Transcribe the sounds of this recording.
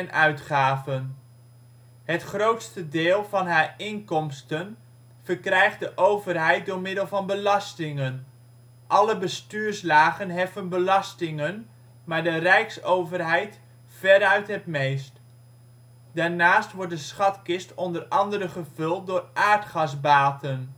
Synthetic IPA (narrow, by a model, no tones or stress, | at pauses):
nœɥtχaːvən | ɦətχrowtstədɪːlˠvɑnɦaːɹɪŋkɔmstən | v̥əɹkrɛjχtdəʔowvərɦɛjt̚dʊːɹmɪdəlˠvɑnbəlɑstɪŋən | ʔɑləbəstyːɹslaːχənɦɛfənbəlɑstɪŋən | maːɹdərɛjksowvərɦɛjt | fɛɾœɥtɦətmejst | d̥aːɹnaːstʋɔɹdəsχɑtkɪstɔndərɑndəɾəχəv̥ɵlˠt̚dʊːrʔaːɹtχɑsbaːtən